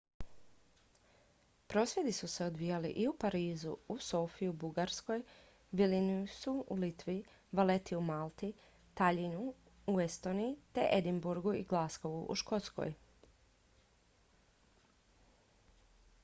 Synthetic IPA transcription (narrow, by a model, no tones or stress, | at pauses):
pɾo̞ːsʋje̞d̪isuse̞o̞d̪ʋijalḭʔiupaɾiːzuuso̞ːfijubuɡaɾsko̞j | ʋilinisuulit̪ʋi | ʋalet̪iumalˠt̪i | t̪aʎinu | uest̪o̞ːniit̪e̞ʔed̪imbuɾɡuḭɡlˠasko̞ʋṵʔṵʃko̞t̪sko̞̰j